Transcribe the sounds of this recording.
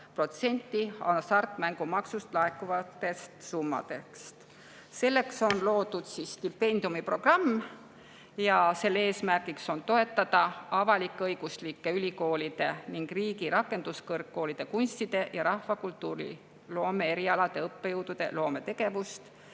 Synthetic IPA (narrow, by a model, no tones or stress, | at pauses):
pro̞t̪se̞nʲt̪ːˑiɑnsɑrt̪ːˑmæŋɡ̥umɑksust̪lɑekːˑuvɑt̪ːe̞st̪sumːɑ̰d̪e̞kst̪ | se̞lːe̞kso̞nlo̞ːd̪̥ud̪̥sisːt̪ipːe̞nʲd̪iumipro̞ɡ̥rɑmː | jɑse̞lːeeːsmærɡ̥ikso̞nt̪o̞e̞t̪ːˑɑd̪̥ɑɑvɑlikːˑeɤjɡ̥uslikːe̞ylʲiko̞ːlʲid̪̥e̞niŋɡ̥riːɡiɾɑkːˑe̞nd̪̥uskɤrkːo̞ːlid̪̥e̞kunst̪id̪̥e̞jɑɾɑhvɑkult̪ːˑuːɾḭ | lo̞ːme̞eɾiɑlɑd̪̥e̞ɤpːejuwd̪̥ud̪̥e̞̰lo̞ːme̞t̪e̞ɡ̥e̞vust̪